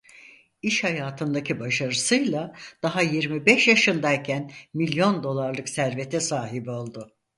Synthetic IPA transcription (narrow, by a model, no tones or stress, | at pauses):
iʃhajaːt̪ʰɯnd̪acʰibaʃaɾɯsɯjlˠad̪̥aɦajiɾmibɛʃjaʃɯnd̪ajcʰænmilʲjo̞nd̪o̞lˠaɾlˠɯksæɾve̞t̪ʰɛsaːɦibio̞lˠd̪ʊ